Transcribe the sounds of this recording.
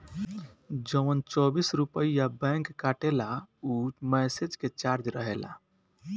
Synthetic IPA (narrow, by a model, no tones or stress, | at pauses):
d͡ʒəʋənt͡ʃɔbisɾupəijabɛ̃ŋkːaʈelaumɛsed͡ʒket͡ʃaɾd͡ʒɾəɦela̰